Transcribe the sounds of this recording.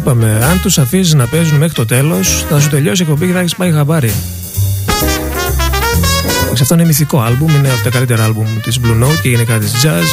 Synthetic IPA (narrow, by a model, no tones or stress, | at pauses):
ipɐme̞ɐnt̪usɐfisiznɐpe̞zunme̞xɾit̪o̞t̪e̞lo̞sθɐs̬ut̪e̞ʎo̞siekpo̞mbiceθɐçispɐjɣɐvɐɾi | ɐksɐft̪o̞inemisiko̞ɐlbumineɐpot̪ɐkɐlit̪e̞ɾɐɐlbumt̪izblunowt̪̚ceʝenikɐt̪izd͡ʒɐz